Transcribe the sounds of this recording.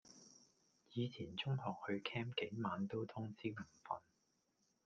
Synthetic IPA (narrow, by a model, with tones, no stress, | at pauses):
jiː˨˧t͡sʰiː˨˩nt͡sʊ˥ŋhɔː˨˩k̚hɵ˧ɥkʰɛː˥mke˨˥jmaː˨˧nt̪o˥wt̪ʰʊ˥ŋsiː˥wm̩˨˩fɐ̰˨˧n